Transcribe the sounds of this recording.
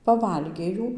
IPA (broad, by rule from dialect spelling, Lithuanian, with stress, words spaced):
pɐˈʋɐlʲɡʲeː ˈjuː